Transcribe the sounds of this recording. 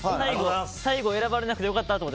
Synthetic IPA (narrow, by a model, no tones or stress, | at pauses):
saiɡosaiɡo̞e̞ɾabaɾe̞nakɯ̟t̪ejokat̪ːat̪omot̪ː